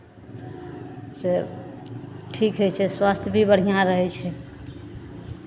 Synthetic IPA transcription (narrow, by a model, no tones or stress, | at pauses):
se | ʈʰikɦɛt͡ʃʰɛswast̪ʰjbʱibəɽ̤ijaɾəɦɛt͡ʃʰɛ